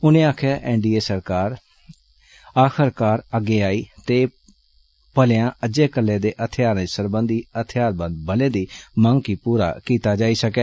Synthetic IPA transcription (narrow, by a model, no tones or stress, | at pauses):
ʊnẽːaːkʰaːʔɛːnɖiːeːsəɾkaːɾ | aːkəɾkaːɾəɡːeːaːiːt̪eː | pəlɪjãːəd͡ʒeːkəlːẽːd̪eːʔət̪ʰɪjaːɾnẽːsəɾbə̃nd̪iːət̪ʰɪjaːɾbənd̪̚bəlẽːd̪iːmə̃ŋɡkiːpuːɾa̰ːkiːt̪aːd͡ʒaːiːsəkɛː